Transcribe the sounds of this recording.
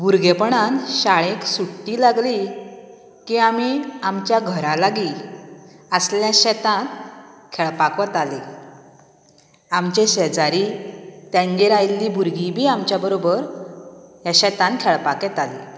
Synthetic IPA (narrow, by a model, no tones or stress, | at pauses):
buɾɡepəɳanɕaɭeksuʈʈiːlaɡli | kiamiamt͡ɕjaɡʱəɾalaɡi | əsljãɕɛt̪ãnkʰɛɭpakʋət̪ale | amt͡ɕeɕed͡zaɾit̪jãŋɡeɾajlːibuɾɡibʱiːamt͡ɕjabəɾobəɾ | jaɕɛt̪ãnkʰɛɭpakɛt̪ali